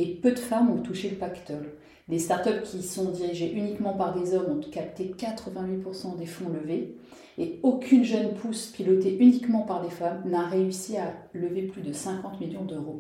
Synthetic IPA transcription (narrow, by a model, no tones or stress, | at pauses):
epød̪əfamɔ̃t̪uʃeləpakt̪ɔl | lest̪aʁt̪œpkʲisɔ̃d̪iʁiʒeʔynikmɑ̃paʁd̪ezɔmɔ̃kap̚t̪ekat̪χəvɛ̃wipuʁsɑ̃d̪efɔ̃ləve | eokʲʰynʒœnpʰuspilɔt̪eʔynikmɑ̃paʁlefamnaʁeysialəveplyd̪əsɛ̃kɑ̃t̪miljɔ̃d̪øʁo